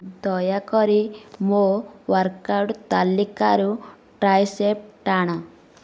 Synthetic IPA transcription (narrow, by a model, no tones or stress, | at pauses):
d̪ɔjakɔɾimowaɾkawɖt̪alːikaɾu | ʈɾajsep̚ʈaɽ̃a